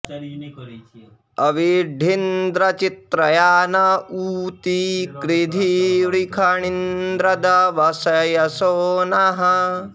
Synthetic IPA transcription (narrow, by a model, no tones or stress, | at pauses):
ɐʋiɖʱind̪ɾɐt͡ʃit̪ɾɐjaːnɐuːt̪ikɾid̪ʱiɾikʰɐɳind̪ɾɐd̪ɐʋɐsɐjɐsoːnɐɦɐ